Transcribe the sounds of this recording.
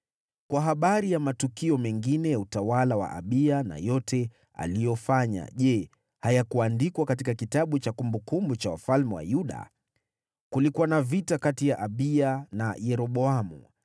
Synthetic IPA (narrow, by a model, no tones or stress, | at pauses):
kwaɦaɓaɾijamatukiɔmɛŋɡinɛjautawalawa̰ʔa̰ɓiana̰jɔtɛ | a̰lijɔfaɲa̰ʄɛ | hajakuandikwakatikakitaɓut͡ʃakumbukumbut͡ʃawa̰falmɛwa̰juɗa̰ | kulikuwanavitakatijaʔaɓianajɛɾɔɓɔamṵ